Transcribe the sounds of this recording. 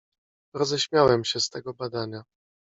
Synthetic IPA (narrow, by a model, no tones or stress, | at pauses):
ɾɔzɛɕmʲjawɛmɕɛst̪ɛɡɔbad̪aɲa